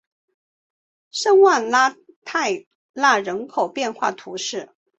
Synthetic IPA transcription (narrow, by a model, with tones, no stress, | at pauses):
ʂɤ˥ŋwa˥˩nla˥ | t̪ʰa˥˧ɪ | la˥˩ɻə˧˥nkʰo˨˩ʊpjɛ˥˧nxwa˥˩t̪ʰu˧˥ʂɻ̩˥˩